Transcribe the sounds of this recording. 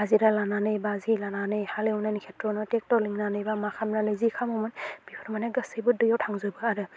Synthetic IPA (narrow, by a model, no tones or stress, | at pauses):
aziɾalananɯjbazilananɯjhaleɔnajnikʰetɾɔnɔtek̚tɔɾliŋnanɯjbamakʰamnanɯzikʰamɔmɔnb̥ipʰɔɾmanaɡɯsɯjbɯdɯjawtʰaŋzɯbɯaɾɯ